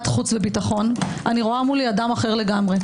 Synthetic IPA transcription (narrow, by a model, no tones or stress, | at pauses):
t̪χut͡svebitaχo̞n | ʔaniʁoamuliadamaχe̞ʁle̞ɡamʁe̞